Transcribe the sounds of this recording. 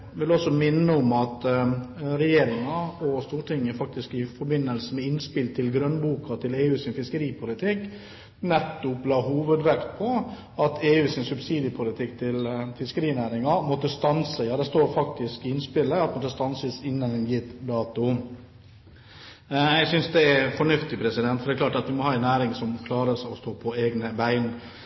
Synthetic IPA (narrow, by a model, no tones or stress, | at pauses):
ʋɪlɔsɔmɪnːəɔmɑt̪ | ɾɛjeːɾɪŋɑɔst̪uːʈʰɪŋːəfɑk̚t̪ɪskɪfɔɾbɪnːəlsəmɛɪnspɪlt̪ʰɪlɡɾœnbuːkɑt̪ʰɪleːʉːsɪnfɪskəɾiːpʰʊlɪt̪ʰɪk | nɛt̪ːʊplɑːɦuːʋəd̪ʋɛkt̪pʰɔ | ɑt̪eːʉːsɪnsʉbsiːd̪jəpʰʊlɪt̪ʰɪkt̪ʰɪlfɪskəɾiːnæːɾɪŋɑmɔt̪ːəst̪ɑnsəjɑːd̪ɛst̪oːɾfɑkt̪ɪskɪɪnspɪləɑt̪mɔt̪ːəst̪ɑnsəsɪnːənɛnjɪt̪ːd̪ɑːt̪ʊ | jæɪsʏnsd̪ɛæɾfɔɳʉft̪ɪpʰɾɛsɪd̪ɛnt̪fɔɾɖ̪ɛklɑːʈɑt̪ʋɪmɔhɑːɛnæːɾɪŋsɔmkʰlɑːɾəsɔst̪oːpʰɔeːɡnəbæɪn